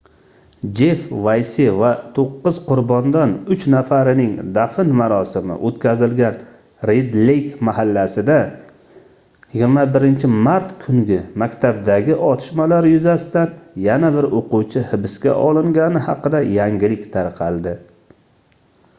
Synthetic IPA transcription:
d͡ʒe̞fvajsɪvat̪ʰoqːɨzqʊɾbɒnd̪anʊt͡ʃnafaɾɪnɪŋd̪afɪnmaɾɒsɪmɪ̰ʔot̪kʲʰazɪlɡʲan | ɾed̪lejkmahalːasɪd̪a | jɪɡʲɪɾmabɪɾɪnt͡ʃʰɪmaɾt̪kʰʊŋɡʲɪmakʲt̪ʰab̚d̪aɡʲɪʔɒt̪ʰɪ̥ʃmalaɾjʊzasɪt̪anjanabɪɾoquwt͡ʃʰɪhɪbɪskʲa̰ʔɒlˠɪŋɡʲanɪhɑqɨd̪ajaŋɡʲɪlɪkʲt̪ʰaɾqʰɑlˠd̪ɪ

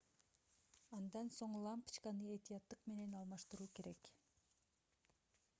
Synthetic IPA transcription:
ɑnd̪ɑnso̞ɴlˠɑmpɨ̥t͡ʃkɑnɯe̞t̪ijɑt̪ːɯqme̞ne̞nɑlˠmɑʃt̪ɯɾuːke̞ɾe̞k

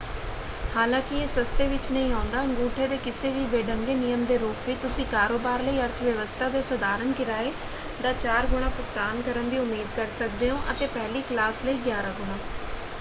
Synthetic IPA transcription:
haːlãːkɪeːsəst̪eːʋɪt͡ʃnəĩːãːnd̪aːəŋɡũːʈʰeːd̪eːkɪseːʋiːbeːɖəŋɡeːnɪjəmd̪eːɾuːpʋit̪ʊsĩːkaːɾoːbaːɾləiːəɾt̪ʰʋjəʋəst̪ʰaːd̪eːsəd̪aːɾənkɪɾaːeː | d̪aːt͡ʃaːɾɡʊɽ̃ãːpʊkt̪aːnkəɾənd̪iːʊmeːd̪̚kəɾsək̚d̪eːɦõːʔət̪eːpɛɦliːklaːsləiːɡjaːɾãːɡʊɽ̃aː

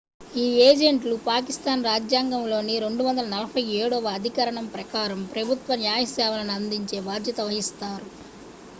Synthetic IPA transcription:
iːeːd͡ʒeɳʈlupaːk̬ist̪aːnɾaːd͡ʒjaːŋɡɐmlo̞ːniɾe̞ɳɖuʋɐnd̪ɐlɐnɐlɐpɐjeːɽɔːʋɐːd̪ʱikɐɾɐɳɐmpɾɐkaːɾɐmpɾɐbʱut̪ʋɐnjaːjɐsɛːʋɐlɐnɐnd̪iɲt͡ʃe̞ːbaːd̪jɐt̪ɐʋɐɦist̪aːɾu

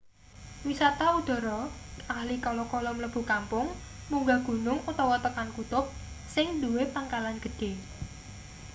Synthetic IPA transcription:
wisat̪aud̥ɔ̤ɾɔahlikɔlɔkɔlɔmləb̥ṳkampʊŋ | muŋɡaɡ̥ṳnʊŋut̪ɔwɔt̪əkankut̪ʊp̚ | sɪŋd̪uwepaŋkalanɡ̥ə̤ɖ̥e̤

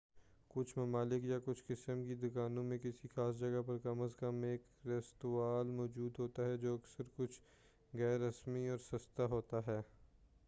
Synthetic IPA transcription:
kʊt͡ʃʰmɐmaːlɪkjakʊt͡ʃʰkɪsəmkid̪ʊkaːnõmẽkɪsixaːs̬d͡ʒɐɡapɐɾkɐməskɐmeːkɾɛst̪uaːlmɔːd͡ʒuːd̪ɦoːt̪aɦɛd͡ʒoːɐksəɾkʊt͡ʃʰ | ɣɛːɾːɐsmiɔːɾsɐst̪aɦoːt̪aɦɛː

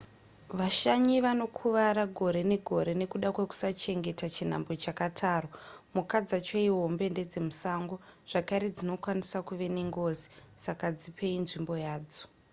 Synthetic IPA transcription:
ʋaʃaɲiʋano̞kʰuʋaɾaɡʱo̞ɾe̞ne̞ɡʱo̞ɾe̞ne̞kuɗakwe̞ku̥sat͡ʃe̞ŋɡe̞tat͡ʃin̤a̰mbo̞t͡ʃakatʰaːromukad͡zat͡ʃoiɦombe̞nde̞d͡zemusaŋɡoʐ̥akaɾed͡zino̞kwanisakuʋe̞neŋɡo̞ːzi̥sakad͡zipʰe̞inʐimbo̞jaːd͡zo̥

